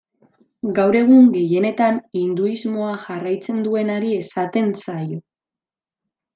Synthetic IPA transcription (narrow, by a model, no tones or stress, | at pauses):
ɡawɾe̞ɣ̞uŋɡe̞je̞ne̞t̪anind̪uizmo̞aʝarajt͡se̞nd̪ue̞naɾie̞sat̪e̞nsajo